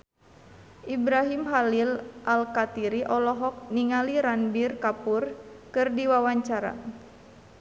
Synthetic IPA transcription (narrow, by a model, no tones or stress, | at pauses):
ʔibɾaɦimɦalilʔalkat̪iɾiʔɔlɔɦɔk̚niŋaliɾanbirkapurkɨrdiwawaɲt͡ʃaɾa̰